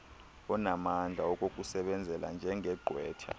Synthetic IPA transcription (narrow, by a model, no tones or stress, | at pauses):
ɔnamand͡ɮʱaɔk̬ʼokʼusɛɓɛnd͡zʱɛla̰nd͡ʒʱɛŋʱɛɡ͡ǃʱwɛːtʰa̰